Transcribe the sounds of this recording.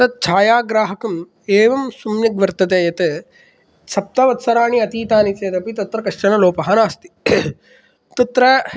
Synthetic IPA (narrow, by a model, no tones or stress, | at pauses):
ɐt̪̚t͡ʃʰaːjaːɡɾaːɦɐkɐm | eːʋɐmsumjɐɡʋɐɾt̪ɐt̪̬eːjɐt̪ɐ | sɐp̚t̪ɐʋɐt̪sɐɾaːɳiɐt̪iːt̪aːnit͡ʃeːd̪ɐpit̪ɐt̪ɾɐkɐʂʈɐnɐloːpɐɦɐnaːst̪i̥ | t̪ɐt̪ɾɐ